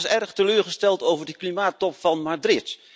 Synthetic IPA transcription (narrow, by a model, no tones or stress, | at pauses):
sɛɹχtəløːɹχəstɛlˠtowvəɹdəklimaːtɔpfɑnmaːdrɪt